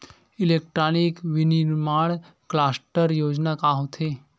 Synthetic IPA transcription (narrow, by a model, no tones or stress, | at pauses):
ilekʈɾanikʋiniɾmaɽ | klasʈəɾjoːd͡ʒnakaɦot̪ʰe